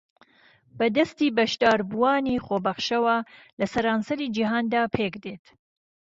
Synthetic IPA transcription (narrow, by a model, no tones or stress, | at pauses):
bɐd̪ɐst̪iːbɐʃd̪aːɾbuwaːniːχoːbɐχʃɐwɐ | lɐsɐɾaːnsɐɾiːd͡ʒiɦaːnd̪aːpʰeːkd̪et̪